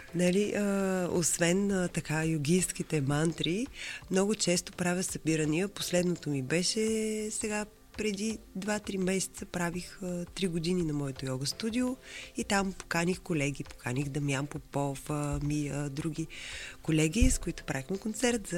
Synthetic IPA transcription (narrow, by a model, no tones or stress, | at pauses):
nɐliʔəo̰svɛnət̪ɐkajʊɡʲijskit̪ɛmant̪ɾimnɔɡʊt͡ʃɛst̪opɾavʲəsɐbiɾənijəposlɛd̪not̪omibɛʃɛsɛɡa | pɾɛd̪id̪vat̪ɾimɛsɛ̥t̪səpɾavixət̪ɾiɡod̪ininɐmɔɛt̪ojɔɡəst̪ud̪ʲioit̪ampo̥kanixkolɛɡʲipo̥kʰanixd̪ɐmʲjampopɔfəmiəd̪ɾuɡʲikolɛɡʲiskoit̪ʊ̥pɾavixmɛkont̪sɛɾt̪z